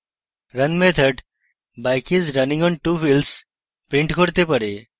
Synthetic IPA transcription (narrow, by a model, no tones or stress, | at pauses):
ɾənmet̪ʰəɖ | bajkizɾɐnĩŋɔnʈufils | pɾĩɳʈkʰoɽt̪epəɾe